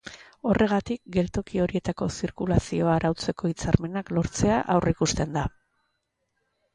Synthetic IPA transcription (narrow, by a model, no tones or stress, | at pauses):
o̞rʔe̞ɣ̞at̪ik̚ɡe̞lt̪o̞kio̞ɾie̞t̪ako̞siɾkulasio̞aɾʔawt͡se̞ko̞it͡saɾme̞naklo̞ɾt͡se̞aʔawrikust̪e̞nd̪a